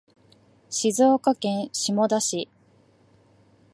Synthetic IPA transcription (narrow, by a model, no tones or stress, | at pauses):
ɕizo̞ːkakẽ̞ɰ̃ɕimo̞d̪aɕi